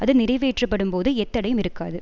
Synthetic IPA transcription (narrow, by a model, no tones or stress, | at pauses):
ɐðɯnɪɾɐɪʋeːʈrɯpːɐɽɯmpoːðɯɛt̪ːɐɽɐjɯmɪɾɯkːaːðɯ